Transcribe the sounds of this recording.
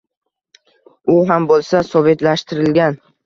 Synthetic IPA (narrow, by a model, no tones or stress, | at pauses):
ʊɦambolˠsasɒve̞t̪laʃt̪ɪɾɪlɡʲan